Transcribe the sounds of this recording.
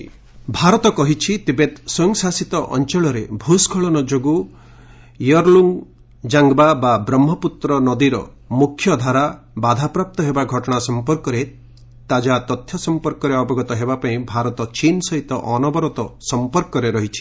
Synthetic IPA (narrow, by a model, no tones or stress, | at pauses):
bʱaɾɔt̪ɔkɔɦit͡ʃʰit̪ebet̪soŋsasit̪ɔʔɔ̰nt͡ʃɔɭɔɾebʱuskʰɔɭɔnɔd͡ʒoɡu | jɔɾluŋ | d͡ʒaŋɡbababɾɔmːɔput̪ɾɔnɔd̪iɾɔ̰ | mukʰːjɔd̪ʱaɾa | bad̪ʱapɾap̚t̪ɔɦebaɡʱɔʈɔɽ̃asɔmpɔɾkɔɾe | t̪ad͡ʒat̪ɔt̪ʰjɔsɔmpɔɾkɔɾeɔbɔɡɔt̪ɔɦebapaĩbʱaɾɔt̪ɔt͡ʃinsɔɦit̪ɔʔɔnɔbɔɾɔt̪ɔsɔmpɔɾkɔɾeɾɔɦit͡ʃʰi̥